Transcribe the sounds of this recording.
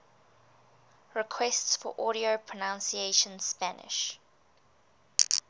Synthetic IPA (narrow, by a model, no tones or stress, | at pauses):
ɹɪkʰwɛstsfɔ̰ʔɔɾiopʰɹ̥ɔnãnsieʃə̃nspanɪ̰ʃ